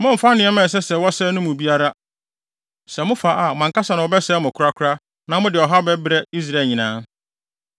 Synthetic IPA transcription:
mʊ̃˦m̩˨fa˦nɪ̃˨ɛ˦mɛ̃˨s̬ɛ˦sɛ˨wɔ˦sɛ˦nʊ̃˦mʊ̃˨bi˦a˦ɾa˦ | sɛ˨mʊ̃˦fa˨ʔa˨mã˨ŋka˦sa˨nã˨ɔ˨bɛ˦sɛ˦mʊ̃˨kʰʊ˦ɾa˦kʰʊ˦ɾa˦ | nã˨mʊ̃˦dɪ˨ɔ˨ɦa˦bɛ˦bɾɛ˦i˦s̬ɾa˨ɲĩ˨nãː˦

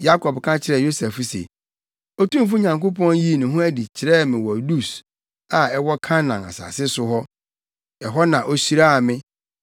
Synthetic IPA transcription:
ja˦kʰɔ˨bkʰã˦t͡ɕʰɪ˨ɾɛ˨jo˦sɛ˨fu˦sḛ˨ | o˦tũ˦m˦f̬u˦ɲã˨ŋko˦pʰɔ̃˦nji˦˨nʊ̃˨ɦʊ̃˦æ˦di˨t͡ɕʰɪ˨ɾɛ˦˨mɪ̃˨wɔ˨du˦s | a˨ɛ˦wɔ˦kʰã˦nã˨na̰˨sa̰ː˨sɪ˦sʊ˦ɦɔ˦ | ɛ˨ɦɔ˦nã˨ʔo˦ɕi˦ɾa˦a˨mɪ̃˦

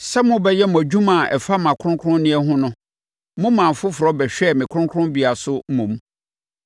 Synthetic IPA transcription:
sɛ˦mʊ̃˦bɛ˦jɛ˦m˨æ˨d͡ʑᶣũ˦mã˨ɛ̰˨fa˦mã˨kʰʊ̃˦ŋkʰɾʊ̃˦nnɪ̃˦ɛ˦ɦʊ̃˦nʊ̃˦ | mʊ̃˦mã˨fʊ˦fʊ˨ɾɔ˦bɛ˨ɕᶣɛ˦˨mɪ̃˨kʰʊ˦ʊ̃˦kʰʊ̃˦nbi˦a˨sʊ˦m̩˦mũ˨m

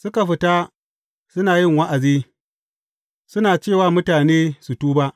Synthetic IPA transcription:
sʊ˦ka˨ɸɪ˨ta˦ | sʊ˦naː˨jɪ˦ŋwa˦ʔa˨ziː˦ | sʊ˦naː˨t͡ʃeː˦˨waː˦mʊ˦taː˨neː˦su˨tuː˦ba˦ʔ

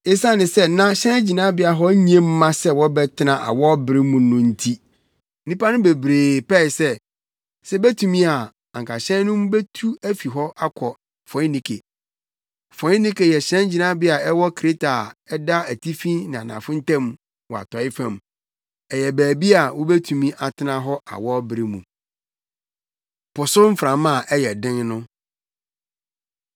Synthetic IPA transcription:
e˦sa˦nɪ̃˨sɛ˦nã˦ɕɛ̃˦nd͡ʑi˨nã˦bɪ˦a˨ɦɔ˦ɲĩ˦ẽ˦m̩ː˦ã˦sɛ˦wɔ˦bɛ˦tʰɪ˦nã˨ʔa̰˨wɔ˦bɪ˨ɾɪ˦mũ˨nʊ̃˨n̩˦tʰi˦ | nĩ˦pa˦nʊ̃˦be˨bɾeː˨pɛ˦ɪ˨sɛ˦ | sɛ˦bæ˦tʰu˨mĩ˦a˨ | a˨ŋkʰa˨ɕɛ̃˦nʊ̃˦mbe˦tʰu˦æ˦fi˨ɦɔ˦ʔa˦kʷʰɔ˨ | fɔ̃˨˦nĩ˦kʰḛ˨ | fɔ̃˨˦ĩ˦nĩ˦ke˨jɛ˨ɕɛ̃˦n˦d͡ʑi˨nã˦bɪ˦a˨ɛ˦wɔ˦kʰɾe˦tʰa˨ɛ˦da˦æ˨tʰi˦fĩ˦nɪ̃˨a˨nã̰˨fʊ̃˦n̩˦tʰã˦m | wɔ˨a̰˨tʰɔ˨˦ɪ˦fã˨m | ɛ˨jɛ˨bæː˨bi˦a˨wo˦be˦tʰu˨mĩ˦ʔa˨tʰɪ˦nã˦ɦɔ˦ʔa̰˨wɔ˦bɾɪ˦mṵ̃˨ | pʊ˨sʊ˦m̩˦fɾã˨mã˦˨ʔɛ˦jɛ˨dɪ̃˦nnʊ̃˦

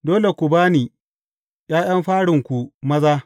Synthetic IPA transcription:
doː˦le˨kʷu˨baː˦niː˨ | j̰aː˦j̰ɐ˦mɸaː˦ɽɪ˨ŋkʷu˨mɐ˦zaː˦

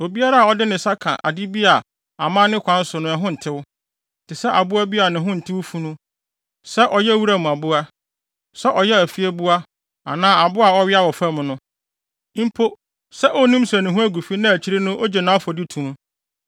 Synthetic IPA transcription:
o˨bi˦a˦ɾa˦a˨ɔ˦dɪ˦nɪ̃˨sa˦kʰã̰˨ʔa̰˨di˦bi˦a˨ | a̰˨mã˦nɪ̃˦kʷʰã˦n̩˦sʊ˨nʊ̃˦ɛ˨ɦʊ̃˦n̩˨tʰɪ˦w | tʰɪ˨sɛ˦ʔa˨bʊ˦a˦bi˦a˨nɪ̃˨ɦʊ̃˦n̩˨tʰɪ˦wu˦fu˦nʊ̃˦ | sɛ˦ʔɔ˨jɛ˦wu˦ɾa˦˨mũ˨a˨bʊ˦a˦ | sɛ˦ʔɔ˨jɛ˦æ˨fi˦ɛ˦bʊ˦a˦ | a̰˨nãː˦a˨bʊ˦a˨ɔ˦ɥɪ˦a˦wɔ˨fa˦mʊ̃˨nʊ̃˦ | m̩˦pʰo˦ | sɛ˦ʔɔ˦nĩ˦m˦sæ˨nʊ̃˨ɦʊ̃˦æ˦ɡu˨fi˦nã˦æ˨t͡ɕʰi˦ɾi˦nʊ̃˦ʔɔ˦d͡ʑɛ˨nã˨˦fɔ˨di˦tʰũ˨m˦

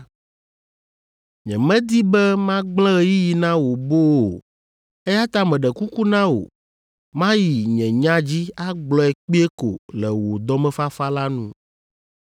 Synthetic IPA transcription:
ɲɛ̰̃˨mɛ̃˦d̪i˦bɛ˦mã˦ɡ͡blɛ̃˦ji˦ji˨nã˦wo˨bo˦wo˨ | ɛ˦ja˦t̪ã˦mɛ̃˨ɖɛ˨ku˦ku˦nã˦wo̰˨ | mã˦ji˨ɲɛ̃˨ɲã˦d͡ʑi˦a˦ɡ͡blɔ˦ɛ˨k͡pi˦ɛ˦ko̰˨lɛ˨wo˨d̪ɔ˦mɛ̃˦fa˦fa˦la˦nũ˦

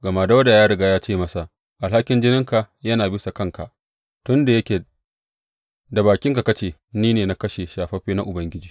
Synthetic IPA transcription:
ɡɐ˨ma˦˨dɐ˦wda˨jaː˦ɽɪ˨ɡaː˦jaː˦t͡ʃeː˦˨mɐ˦sa˨ʔ | ʔa˨lha˦kʲɪ˦nd͡ʒɪ˦nɪ˦ŋka˨ | jɐ˦naː˨bɪ˦sa˨kɐ˦ŋka˨ʔ | tʊ˦nda˨jɐ˦kʲeː˨ | da˨baː˨kʲɪ˦ŋka˨kɐ˦t͡ʃeː˨niː˦neː˨na˦kɐ˦ʃe˨ʃaː˨ɸɐ˦ɸeː˦na˦ʔʊ˨bɐ˦ŋɡʲɪ˦d͡ʒiː˨

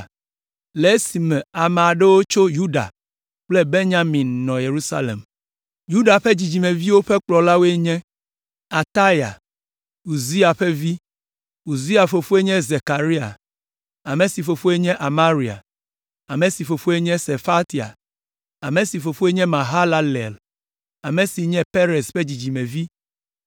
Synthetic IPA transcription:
le˨˦si˨mɛ̃˨a˨mɛ˨a˨ɖe˦wo˦t͡ʃo˦ju˦ɖa̰˨ | k͡ple˦be˦ɲã˦mĩ˨nːɔ̃˨je˨ɾu˦sa̰˦lḛ˨m | ju˦ɖa˨ɸe˦d͡ʑi˨d͡ʑi˨mẽ˨vi˦wo˦ɸe˦k͡plɔ˨la˦wo˦e˦ɲɛ̃˦ | a˨t̪a˦ja̰˨ | u˨zi˦a˨ɸe˦vi˦ | u˨zi˦a˨fo˨fo˦e˦ɲɛ̃˦ze˨ka˨ɾi˦a̰˨ | a˨me˨si˨fo˨fo˦e˦ɲɛ̃˦ʔa˨ma˦ɾi˨a̰˨ | a˨mẽ˨si˨fo˨fo˦e˦ɲɛ̃˦se˨fa˦t̪i˨a̰˨ | a˨me˨si˨fo˨fo˦e˦ɲɛ̃˦mã˨ɦa˦la˦lɛ̰˨l | a˨mẽ˨si˨ɲɛ̃˦pe˦ɾe˨sɸe˦d͡ʑi˨d͡ʑi˨mɛ̃˨vi˦

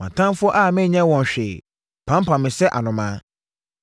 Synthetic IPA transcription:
mã˨tʰã˦m˦fʊ˦ɔ˦ʔa˦˨mɪ̃˦˨ɲɛ̃˦wɔ̃˨n˨ɕᶣe˨ | pʰã˦mpʰã˨mːɪ̃˨sɛ˦ʔa̰˨nʊ̃˨mãː˦

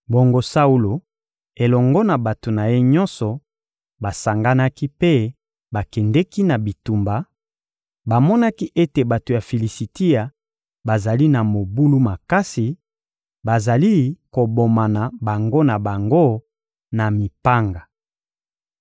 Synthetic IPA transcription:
bo˨ŋɡo˦sa˦u˦lo˨ | e˨lɔ˨ŋɡɔ˦na˨ba˨to˨na˨je˦ɲɔ˦nsɔ˨ | ba˨sa˨ŋɡa˦na˦ki˦pe˦ | ba˨kɛ˨ndɛ˦ki˦na˨bi˨tu˨mba˨ | ba˨mɔ˦na˦ki˦ʔe˦te˨ba˨to˨ja˨fi˨li˨si˨ti˦a˨ | ba˨za˨li˦na˨mo˨bu˦lu˦ma˨ka˦si˨ | ba˨za˨li˦ko˨bo˨ma˨na˨ba˨ŋɡo˦na˨ba˨ŋɡo˦ | na˨mi˨pa˦ŋɡa˨

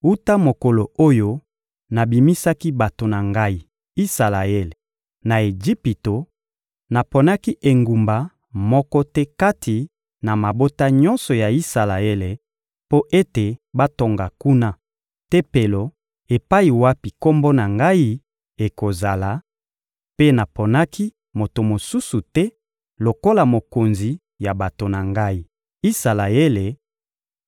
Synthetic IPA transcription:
u˦ta˦mo˨ko˨lo˨o˦jo˦ | na˨bi˨mi˦sa˦ki˦ba˨to˨na˨ŋɡa˦i˦ | i˦sa˨la˨e˦le˨ | na˨e˨d͡ʒi˦pi˨to˨ | na˨po˨na˦ki˦ʔe˨ŋɡu˨mba˨ | mɔ˦kɔ˦tɛ˦ka˦tʰi˨ | na˨ma˨bo˦ta˦ɲɔ̃˦nsɔ˨ja˨i˦sa˨la˨e˦le˨ | po˦ʔe˦te˨ba˦to˨ŋɡa˨ku˦na˦ | te˦pe˨lo˨ | e˨pa˦i˨wa˦pi˨ko˦mbo˦na˨ŋɡa˦i˦ | e˨ko˨za˨la˨ | pe˦na˨po˨na˦ki˦ | mo˨to˨mo˨su˦su˨tɛ˦ | lo˨ko˦la˨mo˨ko˨nzi˨ | ja˨ba˨to˨na˨ŋɡa˦i˦ | i˦sa˨la˨e˦le˨

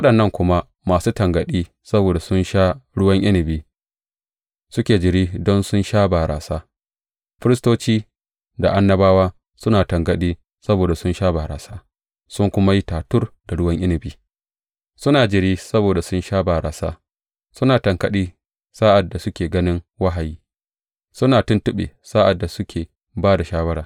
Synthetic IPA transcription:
wɐ˦ɗɐ˨nːɐ˦˨ŋkʷʊ˦ma˦ | maː˨suː˦tɐ˨ŋɡɐ˨ɗiː˦ | sɐ˦boː˨da˨sʊ˦nʃaː˦ɽʊ˦wɐ˦ŋʔɪ˦nɪ˨biː˦ | sʊ˦kʲeː˨d͡ʒɪ˨ɽiː˦dɔ˦nsʊ˦nʃaː˦baː˨ɾʔa̰ː˨saː˦ | ɸɪ˦ɾɪ˦s̬toː˦t͡ʃiː˦ | da˨ʔa˦nːɐ˦baː˦waː˦ | sʊ˦naː˨tɐ˨ŋɡɐ˨ɗiː˦ | sɐ˦boː˨da˨sʊ˦nʃaː˦ba˨ɾaː˨saː˦ | sʊ˦ŋkʷʊ˦ma˦ji˦taː˨tʊ˦rda˨ɽʊ˦wɐ˦ŋʔɪ˦nɪ˨biː˦ | sʊ˦naː˨d͡ʒɪ˨ɽiː˦sɐ˦boː˨da˨sʊ˦nʃaː˦ba˨ɾa̰ː˨saː˦ | sʊ˦naː˨tɐ˨ŋkɐ˦ɗiː˦ | saː˦ʔa˨dːa˨sʊ˦kʲeː˨ɡɐ˦nɪ˦ŋwa˦ɦa˨jiː˦ | sʊ˦naː˨tʊ˦ntʊ˦ɓḛː˨sa˦ʔa˨dːa˨sʊ˦kʲʰeː˨ | baː˦da˨ʃaː˦wɐ˦ɽaː˨

